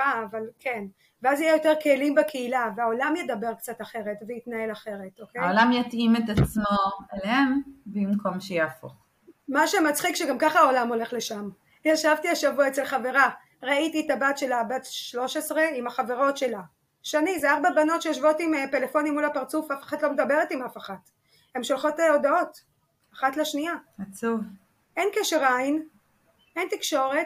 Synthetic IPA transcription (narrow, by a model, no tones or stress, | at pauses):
aːvalkʰe̞n | veazijejo̞te̞ʁkʰelimbekʰeilaveao̞lamjedabe̞ʁkt͡sataχe̞ʁe̞tvejitnae̞laχe̞ʁe̞tokeaolamjatimet̪at͡smo̞eleembimko̞mʃejeafo̰χ | maʃemat͡sχikʃeɡamkaχao̞lamo̞le̞χle̞ʃam | jaʃavtiaʃavuaet͡selχave̞ʁa | ʁaitietabatʃe̞labatʃlo̞ʃesʁe̞imaχaveʁo̞tʃe̞la | ʃanizeaʁbabano̞tʃejoʃvo̞timepe̞le̞fo̞nimːulapaʁt͡sufafḁχatlo̞medabe̞ʁetimafaχat | e̞mʃolχo̞teo̞dao̞t | aχatleʃniaat͡suv | ʔenkaʃʁain | entikʃo̞ʁe̞t